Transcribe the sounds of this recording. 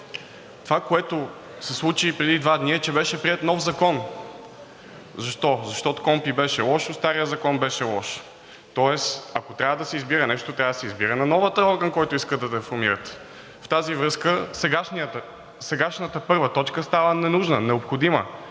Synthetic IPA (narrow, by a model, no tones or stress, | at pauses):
t̪ovakoɛt̪o | sɛslˠut͡ʃipɾɛd̪id̪vad̪niɛt͡ʃɛbɛʃɛpɾiɛt̪nɔfzɐkɔn | zɐʃt̪ɔzɐʃt̪ɔt̪o̥kɔmpibɛʃɛlˠɔʃost̪aɾijəzɐkɔnbɛʃɛlˠɔʃ | t̪ɔɛsɐkot̪ɾʲavəd̪ɐsɛizbiɾənɛʃt̪ot̪ɾʲavəd̪ɐsɛizbiɾənɐnɔvət̪əɔɾɡənkɔjt̪ʊiskəd̪ɐd̪foɾmiɾət̪ | ft̪azivɾɤskəsɛɡaʃn | sɛɡaʃnət̪əpɤɾvət̪ɔt͡ʃkəst̪avənɛnuʒnənɛopxod̪imə̰